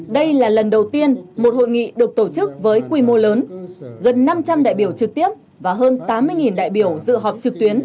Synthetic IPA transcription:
ɗə˧jlaː˨˩lə˨˩nɗə˨˩wt̪i˧ənmo˨˩t̚ho̰˧˨jŋḭ˧˨ɗɨ˨˩ək̚t̪o˧˩t͡ɕɨ˦˥k̚vəː˨˦jkwi˧mo˧ləː˨˦nɣə˨˩nːa˧mt͡ɕa˧mɗa̰ː˧˨jɓi˧˩əwt͡ɕɨ˨˩k̚t̪i˦˥əp̚ | vaː˨˩ɦəː˧nt̪aː˨˦mːɨ˧əjŋi˨˩nɗa̰ː˧˨jɓi˧˩əwzɨ̰˧˨ɦɔ˨˩p̚t͡ɕɨ˨˩k̚t̪wi˨˦ən

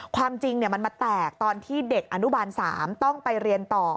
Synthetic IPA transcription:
kʰwaː˧mt͡ɕi˧ŋni˥˩ɐma˧nmaː˧t̪ɛː˨˩k̚t̪ɔː˧nt̪ʰiː˥˩de˨˩k̚ʔa˧nu˦˥baː˧nsaː˩˦mt̪ɔ˥˩ŋpa˧jɾi˧ənt̪ɔː˨˩

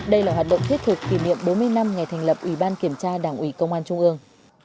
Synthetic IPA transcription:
ɗə˧jlaː˨˩ɦwaː˨˩t̚ɗə̰˧˨ŋ͡mt̪ʰi˦˥t̚t̪ʰɨ˨˩kːi˧˩nḭ˧˨əmɓo˨˦nmɨ˧əjna˧mŋa˨˩jt̪ʰɛ˨˩jŋ̟lə˨˩p̚ʔwi˧˩ɓaː˧nki˧˩əmt͡ɕaː˧ɗaː˧˩ŋʔwi˧˦kə˧wŋ͡mʔaː˧nt͡ɕʊ˧ŋ͡mʔɨ˧əŋ

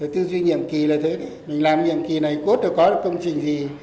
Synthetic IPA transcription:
ə˨˩t̪ɨ˧zwi˧ɲḭ˧˨əmki˨˩laː˨˩t̪ʰə˨˦jɗɨ˨˦mï˨˩ŋ̟laː˨˩mɲḭ˧˨əmki˨˩na˨˩jku˦˥ət̚ɗə˨˩kɔ˨˦ɗa˧˨˩kə˧wŋ͡mt͡ɕï˨˩ŋ̟zi˨˩

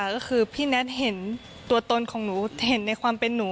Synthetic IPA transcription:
kɔː˥˩kʰɯː˧pʰiː˥˩nɛ˦˥t̪̚ɦe˩˦n | t̪u˧ɐt̪o˧nkʰɔː˩˦ŋnuː˩˦he˩˦nːa˧jkʰwaː˧mpe˧nːuː˩˦

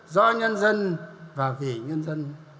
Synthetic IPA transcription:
zɔ̰˧˥ɲə˧nzə˧nvaː˨˩vi˨˩ɲə˧nzə˧n

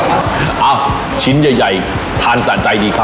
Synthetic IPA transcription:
ʔaː˧˩w | t͡ɕʰi˨˦nzə˧˩jza̰˧˨˩j | t̪ʰaː˧˩nsa̰ː˧˨nt͡ɕa˧jɗi˨˧˩kʰa˧

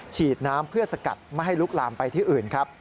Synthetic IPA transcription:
t͡ɕʰiː˨˩t̪̚naː˦˥mpʰɯ˥˩ɐsa˧ka̰˨˩t̪̚ma˥˩jɦa˥˩jlu˦˥k̚laː˧mpa˧jt̪ʰiː˥˩ʔɯː˨˩nkʰɾa˦˥p̚

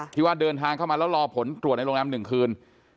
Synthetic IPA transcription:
t̪ʰiː˦˥˩waː˥˩dɤː˧nt̪ʰaː˧ŋkʰa˥˩wmaː˧lɛ˦˥wɾɔː˧pʰo˩˦nt̪ɾu˨˩t̚na˧jloː˧naː˦˥mnɯ˨˩ŋkʰɯː˧n

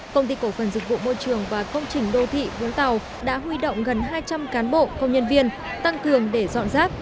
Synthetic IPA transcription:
kə˧wŋ͡mt̪i˧ko˧˩fə˧˩nzɨ˨˩k̚vṵ˧˨mo˧jt͡ɕɨ˨˩əŋvaː˨˩kə˧wŋ͡mt͡ɕï˨˩ŋ̟ɗo˧t̪ʰḭ˧˨vʊ̰˧˥t̪a˨˩w | ɗa̰ː˧˥ɦwi˧ɗo̰˧˨wŋ͡mɣə˨˩nɦaː˧jt͡ɕa˧mkaː˨˦nɓo̰˧˨kə˧wŋ͡mɲə˧nvi˧ən | t̪a˧ŋkɨ˨˩əŋɗe˧˩zɔ̰˧˨nzaː˦˥p̚

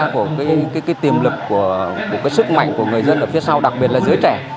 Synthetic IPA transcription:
ku˧˩əkaː˨˦jkaː˨˦kaː˨˦jt̪i˨˩əmlɨ˨˩k̚ːu˧˩əku˧˩kaː˨˦jsɨ˦˥k̚ma̰˧˨jŋ̟ku˧˩əŋɨ˨˩əjzə˧nʔəː˧˩fi˨˦əsa˧wɗa˨˩k̚ɓi˨˩ət̚laː˨˩zəː˨˦jt͡ɕɛ˧˩

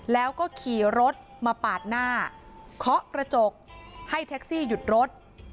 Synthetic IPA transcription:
lɛː˦˥wkɔː˥˩kʰiː˨˩˦ɾo˦˥t̪̚ | maː˧paː˨˩t̪̚naː˥˩kʰɔ˦˥ʔkɾa˧t͡ɕo˨˩k̚ha˥˩jt̪ʰɛ˦˥k̚siː˥˩ju˨˩t̪̚ɾo˦˥t̪̚

